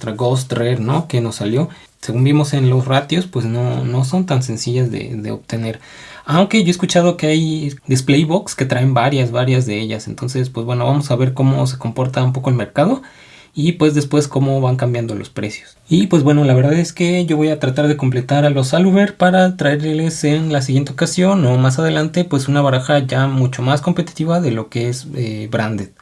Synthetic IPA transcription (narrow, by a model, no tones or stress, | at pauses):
t̪ɾaɣost̪reɾno̞ke̞no̞sːaljo̞ | seɣumbimo̞se̞nlo̞srat̪jo̞spwe̞zno̞no̞s̬o̞nt̪anse̞nsiʝazðḛðe̞̰o̰βt̪e̞ne̞ɾ | awŋke̞ʝo̞eskut͡ʃaðo̞keajd̪isplejβokske̞t̪ɾae̞mbaɾjazβaɾjazðe̞eʝa̰se̞nt̪o̞nse̞spwe̞zβwe̞no̞βamo̞saβe̞ɾko̞mo̞s̬e̞ko̞mpo̞ɾt̪aump̬o̞ko̞elmeɾkað̞o̞ | ipwe̞zðe̞spwe̞sko̞mo̞βaŋkambjand̪o̞lʔo̞̰spɾe̞sjo̥s | ipwe̞zβbwe̞no̞laβe̞ɾðaðe̞ske̞ʝo̞βo̞jat̪ɾat̪aɾðe̞ko̞mple̞t̪aɾalosaluβeɾpaɾat̪ɾae̞ɾle̞se̞nlas̬iɣje̞nt̪eo̞kasjo̞nomas̬að̞e̞lant̪e̞pwe̞sunaβaɾaxaʝamut͡ʃo̞masko̞mpe̞t̪i̥t̪iβaðe̞lo̞keezebɾand̪eð